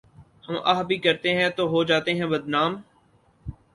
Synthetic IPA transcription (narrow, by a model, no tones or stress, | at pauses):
hɐma̰ːɦbʱikɐɾt̪eɦɛ̃t̪oɦod͡ʒaːt̪eɦɛ̃bɐd̪naːm